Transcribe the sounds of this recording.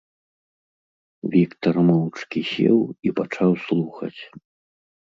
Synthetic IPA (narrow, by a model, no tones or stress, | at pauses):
vʲikt̪ɐrmɔwt͡ʂkʲisʲɛ̰wipat͡ʂawslˠuxɐ̰t͡sʲ